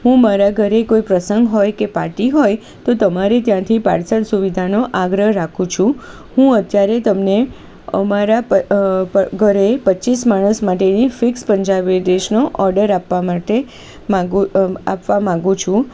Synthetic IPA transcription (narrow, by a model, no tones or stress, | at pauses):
ɦũmaɾaɡʱəɾekoipɾəsəŋɡɦojkepa̰ɾʈiɦoj | t̪ot̪əmaɾet̪jãt̪ʰipa̰ɾsəɽsuʋid̪ʱanoʔaɡɾəɦɾakʰũt͡ʃʰũ | hũət̪jaɾet̪əmne | ə̰maɾapəəɡʱəɾepətːt͡ʃismaɽ̃əsmaʈenifikspəɲd͡ʒabeɖeʃnoʔɔɾɖəɾapːamaʈe | mãɡa̰pʋamãŋɡũt͡ʃʰũ